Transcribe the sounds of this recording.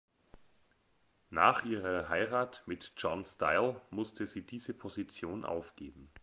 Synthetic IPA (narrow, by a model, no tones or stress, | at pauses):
naːχʔiːʁɐɦaɪʁaːtmɪtd͡ʒɔnsta̰ɪlmʊstʰəziːdiːzəpʰozit͡sjoːnʔa̰ʊfɡ̥eːbm̩